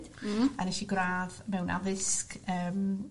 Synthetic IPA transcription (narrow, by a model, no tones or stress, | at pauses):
d̥ənɛʃiɡraːðmɛwnʔa̰ðɪskəːm